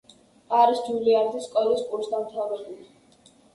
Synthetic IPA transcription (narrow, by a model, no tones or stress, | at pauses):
aɾisd͡ʒiliaɾd̪iskʼɔlispʼuɾsd̪amt̪ʰavɛbuli